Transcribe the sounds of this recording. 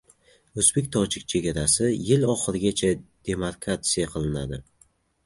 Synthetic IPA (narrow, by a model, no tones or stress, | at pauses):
ɵzbe̞k̚ʲt̪ʰɒt͡ʃʰɪk̚ʲt͡ʃʰe̞ɡʲaɾasɪjɪlɒχɨɾɪɡʲat͡ʃʰad̪̥e̞maɾkɾat̪sijaqʰɨlˠɪnad̪ɪ